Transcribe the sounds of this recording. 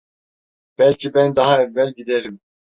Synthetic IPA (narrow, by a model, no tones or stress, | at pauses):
b̥ælʲcʰibænd̪ɑɦɑɛvːælʲɟid̪eɾim